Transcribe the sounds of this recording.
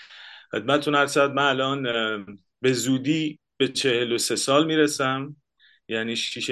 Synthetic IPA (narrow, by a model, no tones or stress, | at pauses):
xe̞d̪̚mæt̪t̪ʰuːnæɾsæd̪̚mænælɒːn | be̞zuːd̪iː | b̥e̞t͡ʃʰe̞helo̞se̞sɒːlmiːɾesæm | jæniːʃiːʃ